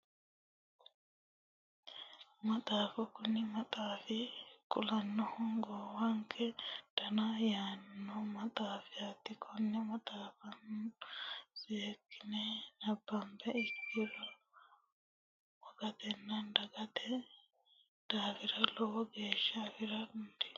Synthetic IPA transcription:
mɐt̪ʼaːfɐkʊnɪmɐt̪ʼaːfɪkʼʊlɐnːɔhɔŋɡɔːwɐŋkʰɛt̪ɐnɐjaːnːɔmɐt̪ʼaːfɪat̪ːɪkʰɔnːɛmɐt̪ʼaːfɐnːnsiekːɪnɛnɐbːɐmbɛɪkːiɾɐ | wɔɡɐt̪ɛnːɐndɐɡɐt̪ɛ | d̪̥aːfɪɾɐlɔwɡeːʃːɐfɪɾɐʊnd̪ɛ̥

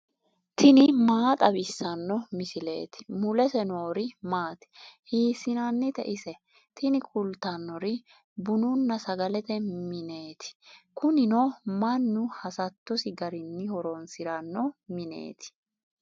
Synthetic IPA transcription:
t̪ʰɪnɪmaːt̪ʼɐbɪsːɐnːɔmɪsɪle̞̰ːt̪ɪ̥mʊlɛsɛnoːɾɪmaːt̪ɪ̥hiːsɪnanːɪt̪ɛ̰ʔɪsɛ | t̪ʰɪnɪkʰʼʊlt̪ɐnːɔɾɪ | bʊnʊnːɐsɐɡɐlɛt̪ɛmɪne̞ːt̪ʰɪ̥kʊnɪnomɐnːʊhɐsɐt̪ːɔsɪɡɐɾɪnːɪhɔɾonsɪɾɐnːɔmɪnḛːt̪ɪ̥

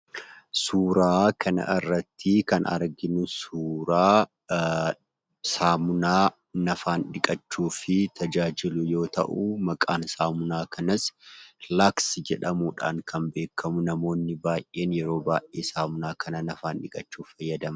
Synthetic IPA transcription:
suːɾaːkʰɐnɐ̰ʔɪrːɐt̪ːɪkɐnɐ̰ɾɡɪnʊsuːɾaː | saːmʊnaː | nɐfaːnᶑɪkʼɐt͡ʃːuːfɪt̪ʰɐd͡ʒaːd͡ʒɪlʊjo̞ːt̪ɐ̰ʔumɐkʼaːnsaːmʊnaːkɐnɐslaːksd͡ʒɛᶑɐmuːᶑa̰ːŋkʰɐnbe̞ːkʰːɐmʊnɐmo̞ːnːɪbaːjʔʔe̞ːnjɛɾo̞ːbaːjʔeːsaːmʊnaːkʰɐnɐnɐfaːnᶑɪkʼɐt͡ʃːuːfɐjːɐd̪ɐmɐ

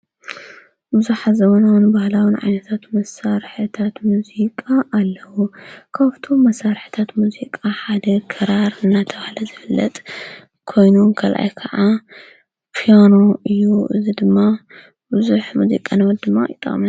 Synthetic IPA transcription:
bɨzuħazɐmonawnbahlawinʕa̰jnɐt̪ʰat̪mɐsaɾħɨt̪ʰat̪muzikʼaʔːlːɐwukʰaβt̪ʰomɐsːaɾħɨ̥t̪ʰat̪muzikʼaħad̪ɐkʰɐɾaɾɨnːat̪ʰɐβahlɐzɨfɨlːɐ̰t̪ʼ | kʰo̞jnunkʰɐlʔa̰jkʰɐʕa | pʰijanoɨjːuʔɨzid̪ɨmːa | bɨzuħmuzḭkʼanɐwɐt̪d̪ɨmːaʔit̪ʼɐ̰kʼm

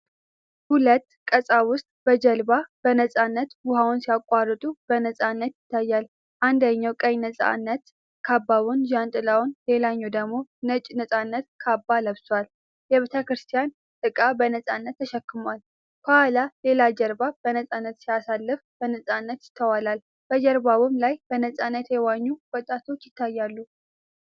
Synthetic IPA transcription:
hulət̪ːkʼəsʼawʊst̪ʼb̥əd͡ʒəlbab̥ənəsʼanːət̪bʊhawʊnsijakʷʼarːɨt̪ʼub̥ənəsʼanːət̪jɪt̪ʰːajːal | ʔand̪əɲːawkʼəjnəsʼa̰nːət̪ | kʰabːaβund͡ʒant̪ʼɨlawʊnle̞laɲːɛwd̪əɡmo̞nət͡ʃʼnəsʼanːət̪kʰabːaləβswal | jɛβet̪ʰəkɾɨst̪ʰijan | t̪ʼɨkʼabənəsʼanːət̪ːʰəʃɛkːɨmwal | kohalale̞lad͡ʒɛɾbab̥ənəsʼanːət̪sijasalːɨfb̥ənəsʼanːət̪jɪt̪ʰːəwalal | b̥əd͡ʒəɾbaβɨmlajbənəsʼanːət̪jɛwaɲːuwɔt̪ʼat̪ʰo̞t͡ʃːjɪt̪ʰːajːalːu

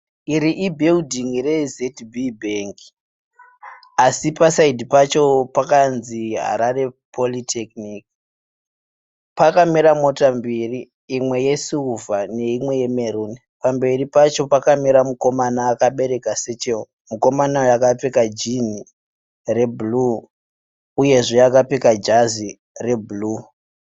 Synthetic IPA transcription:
iɾiʔibʱeudiŋire̞zetbʱibʱeŋki̥ | asipasaidʱipat͡ʃo̞pakanziɦa̰ɾare̞pʰo̞litʰekniki̥ | pakamiɾamo̞tambiriː | mwe̞je̞suuvane̞imwe̞je̞me̞ɾuːni | pambe̞ripat͡ʃo̞pakamiɾamuko̞manaːkaɓe̞ɾe̞kase̞t͡ʃeo | muko̞manaojakapekad͡ʒini | rebʱulu | uje̞ʐejakapekad͡ʒazi | re̞buluː

